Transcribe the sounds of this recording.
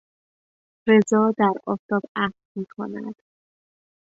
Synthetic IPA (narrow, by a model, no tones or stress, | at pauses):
ɾezɒːd̪æɾɒ̰ːft̪ɒːbæhlmiːkʰo̰næ̰d̪̥